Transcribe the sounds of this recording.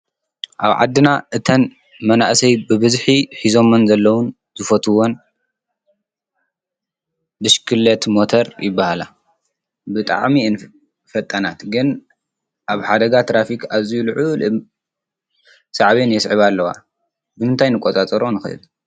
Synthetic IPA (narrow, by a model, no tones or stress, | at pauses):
ʔaβʕa̰d̪ːɨnaʔɨt̪ʰɐn | mɐnaʔsɐjbɨβɨzħiħizo̞mɐnzɐlːɐwun | zɨfɐt̪ʰuwon | bɨʃkʰɨlːɐt̪mot̪ʰɐɾjɪbːahala | bɨt̪ʼa̰ʕmin | fɐt̪ʼːɐnat̪ɡɨn | ʔaβħad̪ɐɡat̪ʰɾafikʰaβzijulɨʕul | sʼaʕβenjɛsʕɨβalːɐwa̰ | bɨmɨnt̪ʰajnɨkʼot̪ʼat̪ʼɐɾonɨxɨ̰ʔɨ̰d̪